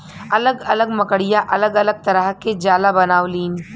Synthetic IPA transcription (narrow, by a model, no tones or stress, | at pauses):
ɐləɡɐləɡmɐkəɽijaʔɐləɡɐləɡ̚t̪ɐɾəɦked͡ʒaːlabɐnaːʋliːn